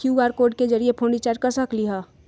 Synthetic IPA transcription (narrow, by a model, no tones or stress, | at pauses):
juɡaːɾkoːɾɖ̚ked͡ʒəɾiepʰõːɳɖit͡ʃaːɾʈkəɾsəkliɦaː